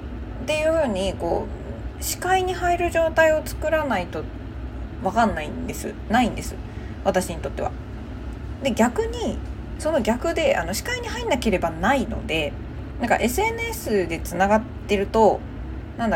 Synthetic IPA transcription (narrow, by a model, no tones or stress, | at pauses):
t̪e̞jɯ̟ːɸɯ̟ːɲ̟iko̞̰ː | ɕi̥kaiɲ̟ihaiɾɯ̟ʑo̞ːt̪aio̞t͡sɨ̥kɯ̟ɾanait̪o̞ | βakãnːaḭ̃nd̪e̞sɨ̰ | naĩnd̪e̞sɨβat̪aɕiɲ̟it̪o̞t̪ːe̞βa̰ | d̪e̞ɡʲakɯ̟ɲ̟i | so̞no̞ɡʲakɯ̟d̪e̞ʔa̰no̞ɕi̥kaiɲ̟iɦainake̞ɾe̞banaino̞̰d̪e̞ | nãŋka̰ʔe̞sɨe̞nɯ̟esɨd̪e̞t͡sɨnaɡat̪ːe̞ɾɯ̟t̪o̞ | nãnd̪a